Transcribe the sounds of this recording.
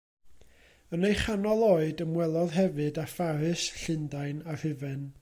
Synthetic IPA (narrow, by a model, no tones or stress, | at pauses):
ənejχanɔlˠoːɨdəmwɛlˠɔðɦɛvɨdafaɾɨsɬɪndajnahɨvɨn